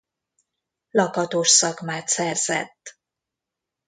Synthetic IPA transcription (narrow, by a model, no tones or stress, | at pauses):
lɒkɒt̪oːʃsɒkmaːt̪sɛrz̥ɛ̰t̪ː